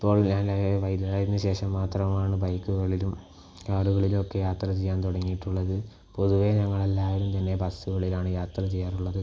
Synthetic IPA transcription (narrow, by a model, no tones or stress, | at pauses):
ipːo̞ːɭɲaːnleʋɐjd̪ɾaːjiɾinːɨɕe̞ːʂɐmːaːt̪rɐmaːɳɨbɐjkːuɣɐɭilum | kaːɽuɣɐɭilokːe̞jaːt̪rɐt͡ɕejːaːnt̪oɽɐŋːijiʈːuɭːɐðɨ | po̞ðuʋeɲɐŋːɐɭelːaːʋɐlumt̪ɐnːepɐsuɣɐɭilaːɳɨjaːt̪rɐt͡ɕejːaːruɭːɐðɨ